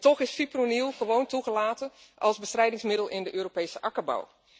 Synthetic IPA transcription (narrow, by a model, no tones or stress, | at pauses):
tɔχɪsfipronilˠχəʋowntuχəlaːtəʔɑlˠzbəstrɛjdɪŋsmɪdəlˠɪndəʔøːropejsəʔɑkəba̰w